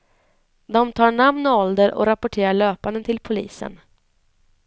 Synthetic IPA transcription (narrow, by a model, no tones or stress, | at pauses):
d̪ɔmt̪ʰɑːɳamnɔɔld̪əɾʔɔ̰ɾapʊʈʰeːɾaɭøːpand̪ənt̪ʰɪlpʰʊlḭːsə̰n